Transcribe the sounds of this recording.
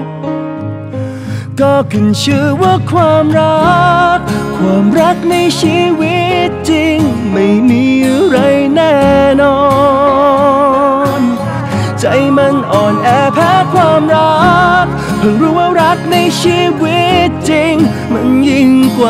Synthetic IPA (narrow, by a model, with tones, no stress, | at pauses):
kɔː˧˩kʰɯ˨˩nsʰɯː˧˥wa˧˩kʰwaː˧mɾa˦˥kkʰːwaː˧mɾa˦˥k̚na˧jsʰiː˧˥wi˦˥t̪̚t͡ɕi˧ŋ | ma˥˩jmiː˨˧˥ɾa˧˥jnɛː˥˩nɔː˧ | n | t͡ɕa˨˧˦jma˧˥nʔɔː˨˩nʔɛː˧˩pʰɛː˧˥kʰwaː˧˩mɾa˦˥k̚ | pʰɔ˨˧ŋɾuː˧˩ʔa˧wɾa˦˥k̚na˧jt͡ɕʰiː˧˥wi˦˥t̪̚t͡ɕi˧ŋ | ma˧˥nji˧˩ŋkwaː˨˧